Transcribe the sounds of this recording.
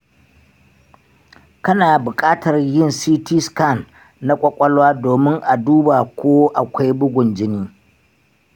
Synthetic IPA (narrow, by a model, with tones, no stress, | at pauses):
kɐ˦naː˨bʊ˨kʼaː˦tɐ˨rjɪ˦nsiː˦ti˦ska˦˨nː | a˦kʷʼɔ˦kʷʼɔ˦lwaː˦doː˨mɪ˦ŋʔa˨duː˦ba˨kʷʰoː˦ʔa˨kʷa˦jbʊ˦ɡʷʊ˨nd͡ʒɪ˦niː˦